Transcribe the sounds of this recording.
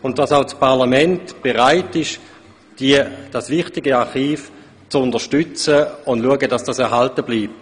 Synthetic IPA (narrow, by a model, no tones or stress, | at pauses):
ʊntd̥asaʊt͡spʰaʁlamɛntb̥eʁaɪtɪʃ | d̥id̥asvɪχtɪɡəaχiːf | t͡sʊndəʃtʏt͡səʊndluəɡədɑsd̥asɛɐʁɦaltəbliːp̚t